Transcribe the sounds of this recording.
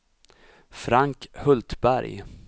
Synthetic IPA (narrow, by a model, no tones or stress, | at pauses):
fɾaŋkhɵlt̪bæɾj